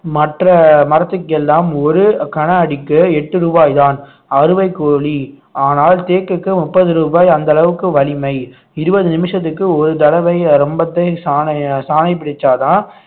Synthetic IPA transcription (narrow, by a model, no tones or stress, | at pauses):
mɐʈrɐmɐɾɐt̪ːɯkːɛlːaːmɔɾɯkɐɳɐɐɽɪkːɯɛʈːɯɾuːbaːjðaːn | ɐɾɯʋɐɪkːoːɭi | aːnaːlt̪eːkːɯkːɯmʊpːɐðɯɾuːbaːjɐnd̪ɐlɐʋɯkːɯʋɐlɪmɐɪ | ɪɾɯbɐðɯnɪmɪʂɐt̪ːɯkːɯɔɾɯt̪ɐlɐʋɐɪɾɔmbɐt̪ːɐɪsaːnɐsaːnɐɪpːɪɽɪt͡ʃːaːt̪ãː